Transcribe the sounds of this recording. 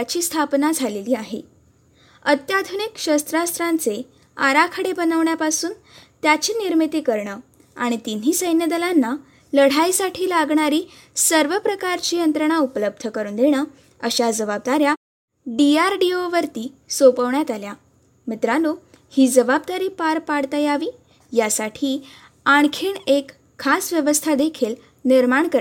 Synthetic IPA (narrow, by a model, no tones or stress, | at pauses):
at͡ɕiːst̪ʰapnad͡zʱaleliːaɦḛ | ət̪jad̪ʱunikɕəst̪ɾast̪ɾant͡se | aɾakʰəɽebənəʋɳjapasuːn | t̪jat͡ɕiːniɾmit̪ikəɾɳəː | a̰ɽ̃it̪in̤iːsəjnjəd̪əlanːa | ləɽ̤ajsaʈʰiːlaɡɳaɾiː | səɾʋəpɾəkaɾt͡ɕiːjənt̪ɾəɳ̃aupələb̚d̪ʱəkəɾuːnd̪eɽ̃əː | əɕad͡zəbab̚d̪aɾja | ɖiaɾɖioʋəɾt̪iːsopəʋɳjat̪alja | mit̪ɾalo | hiːd͡zəbab̚d̪aɾiːpaɾpaɽt̪ajaʋiː | jasaʈʰiː | aɳkʰiɳekʰː | asʋjəʋəst̪ʰad̪ekʰiːl | niɾmaɳkəɾ